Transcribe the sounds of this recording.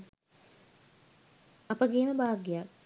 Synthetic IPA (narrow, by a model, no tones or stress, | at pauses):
ɐpəɡeːnəbaːɡejak